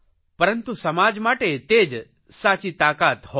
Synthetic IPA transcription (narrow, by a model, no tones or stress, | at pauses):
pəɾənt̪usɐmaːd͡ʒmaːʈet̪eːd͡ʒ | saːt͡ʃit̪aːkaːt̪ɦo